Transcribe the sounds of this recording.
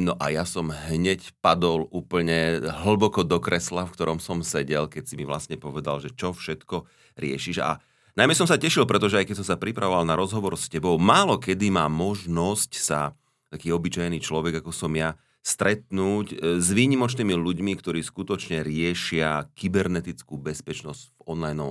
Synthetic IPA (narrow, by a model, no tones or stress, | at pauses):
nɔʔa̰jasɔmɦɲɛcpad̪ɔluːpl̩ɲɛɦl̩bɔkɔd̪ɔkɾɛslafkt̪ɔɾɔmsɔmsɛɟɛlkɛcsimiʋla̰sɲɛpɔʋɛd̪a̰lʒɛt͡ʃɔfʃɛt̪kɔ | ɾɪɛ̰ʃiʒa̰ | najmɛs̬ɔmsacɛʃilpɾɛt̪ɔʒɛajkɛcs̬ɔmsapɾipɾʔa̰ʋɔʋalnaɾɔzɦɔʋɔɾscɛbɔʊmaːlɔkɛd̪imaːmɔʒnɔscsa̰ | t̪akiːɔbit͡ʃajniːt͡ʃlɔʋɛɡakɔsɔmja | st̪ɾɛt̪nuːczʋiːɲimɔt͡ʃniːmiluɟmikt̪ɔɾiːskut̪ɔt͡ʃɲɛɾɪɛʃɪakibɛɾnɛt̪it͡skuːbɛspɛt͡ʃnɔzɟ̥vɔnlajnɔ